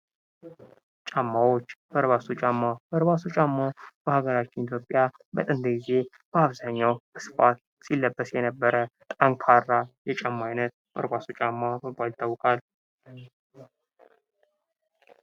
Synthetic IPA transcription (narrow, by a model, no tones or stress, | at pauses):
t͡ʃʼamːawot͡ʃːb̥əɾβasut͡ʃʼamːabəɾbasut͡ʃʼamːabəhaɡəɾat͡ʃːɪnit̪ʰjo̞pʼja | bə̰t̪ʼɨnd̪əɡize̞ | b̥əaβzaɲːawəsɨ̥fat̪̚ | silːəbːəsjɛnəbːəɾət̪ʼaŋkʰarːajɛt͡ʃʼamːajnət̪̚ | bə̰ɾbasut͡ʃʼamːaməbːalɪt̪ʰːawɨkʼal